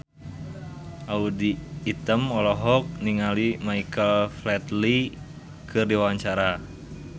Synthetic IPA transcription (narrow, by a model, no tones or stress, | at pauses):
ʔaudiːt̪əmɔlɔɦɔk̚niŋalimaikəlflɛt̪li | kʰɨrdiwaaɲt͡ʃaɾa